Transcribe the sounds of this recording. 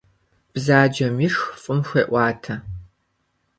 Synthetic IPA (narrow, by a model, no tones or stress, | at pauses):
b̥zaːd͡ʒɐmɪʂfʼʊmxʷḛːʔʷɑːtʰɐ